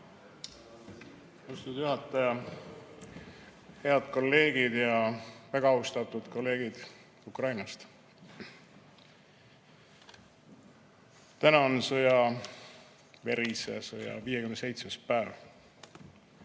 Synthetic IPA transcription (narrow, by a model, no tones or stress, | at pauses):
ost̪ud̪̥juɦɑt̪ːˑɑjɑ | he̞ɑd̪̥ko̞lːe̞ːɡ̥id̪jɑvæɡ̥ɑɑwst̪ɑt̪ːˑud̪̥ko̞lːe̞ːɡ̥id̪̥ | ukrɑjnɑst̪ | t̪ænɑonsojɑ | ve̞ɾisḛsojɑ̰viːjekymnese̞jt̪smespæːv